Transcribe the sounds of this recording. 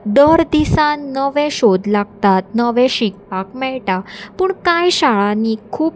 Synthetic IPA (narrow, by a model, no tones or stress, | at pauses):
ɖ̪əɾd̪isãnːəʋɛ̃ɕod̪laɡt̪at̪̚nəʋɛ̃ɕik̚pakmɛɭʈapəɳkajɕaɭãnikʰuːp